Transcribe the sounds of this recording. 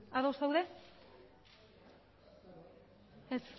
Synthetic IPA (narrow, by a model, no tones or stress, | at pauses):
aðowsðawðe | es